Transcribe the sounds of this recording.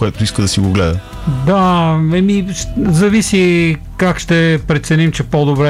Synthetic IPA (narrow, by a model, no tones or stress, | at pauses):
koɛt̪oiskəd̪ɐsiɡoɡlɛd̪ə | d̪aɛmiʃzɐvisi | kakʃt̪ɛpɾɛt̪sɛnimt͡ʃɛpod̪obɾɛ